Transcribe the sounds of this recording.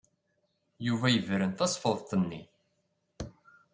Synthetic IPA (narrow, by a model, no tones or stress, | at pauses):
juvæjəvɾənθɑsˤfəðˤt̪ˤənːḭ